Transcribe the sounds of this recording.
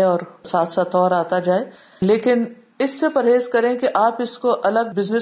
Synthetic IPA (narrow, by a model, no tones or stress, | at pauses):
eɔːɾsaːt̪ʰsaːt̪ɔːɾaːt̪ad͡ʒaːe | leːkɪn | ɪsːepɐɾɦeːzkɐɾẽkiʔaːpɪskoʔɐləɡ̚bɪznɪ